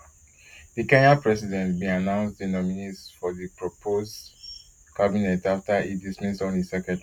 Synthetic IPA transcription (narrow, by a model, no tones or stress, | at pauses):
ðikɛ̃ɲapɹɛsidɛ̃ntbĩanãʊ̃nstĩnɔminitsfɔðipɹopʰoz | kabinɛtaftaidismistɔ̃nisɛkɛ̃n